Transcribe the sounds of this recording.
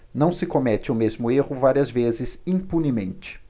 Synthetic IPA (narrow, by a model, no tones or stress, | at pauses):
nɐ̃w̃sɪkomɛt͡ʃɪʊmezmʊehʊvaɾiɐzvezɪzĩpunimẽnt͡ʃɪ̥